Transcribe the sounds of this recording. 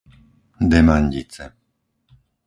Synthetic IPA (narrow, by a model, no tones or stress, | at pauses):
d̪ɛmaɲɟḭt͡sɛ